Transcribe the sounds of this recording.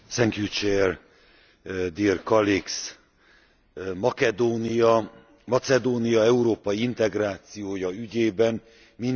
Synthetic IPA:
sɛŋkjut͡ʃɛr | d̪iːrkɒliks | mɒkɛd̪oːnijɒ | mɒt̪sɛd̪oːnijɒɛuɾoːpɒjiint̪ɛɡraːt̪sijoːjɒyɟeːbɛn | min

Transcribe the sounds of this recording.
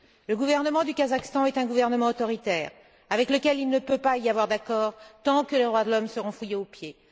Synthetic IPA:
ləɡuvɛʁnəmɑ̃d̪ykazakst̪ɑ̃ɛt̪ɛ̃ɡuvɛʁnəmɑ̃ot̪ɔʁit̪ɛːʁ | avɛkləkʲɛlilnəpøpaiavwaʁd̪akɔʁt̪ɑ̃kəled̪ʁwad̪əlɔmsəʁɔ̃fujeopje

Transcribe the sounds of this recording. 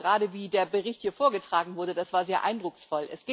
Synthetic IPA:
ʁaːdəviːdeːɐbəʁɪçthiːɐfoːɐɡətʁ̥aːɡŋ̩vʊɐdəd̥asv̥aːɐzeːɐʔaɪndʁʊksfɔlʔɛ̰sɡ̥ɪ

